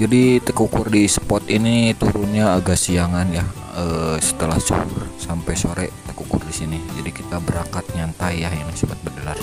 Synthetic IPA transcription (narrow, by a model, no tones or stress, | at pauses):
d͡ʒadit̪əkukʊrdisə̥pɔt̪init̪uɾʊnɲaːɡaʔsiaŋanjah | əsə̥t̪əlahsṵrsampajsoɾɛt̪ə̥kukʊrdisinid͡ʒadikit̪abəɾaŋkat̪̚ɲant̪aiaɦinisibat̪̚bərdəlar